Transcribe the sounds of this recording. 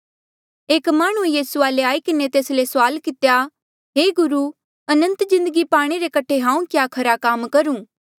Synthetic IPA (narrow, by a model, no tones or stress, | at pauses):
eːkmaːɽ̃uejiːsuaːleaːikɪnet̪eːslesʊaːlkɪt̪ja | ɦeːɡʊɾu | ɐnə̃nt̪zɪ̃nd̪əɡipaːɽ̃eɾekɐʈʰeɦãːũkjaːkʰɐɾakaːmkɐɾũː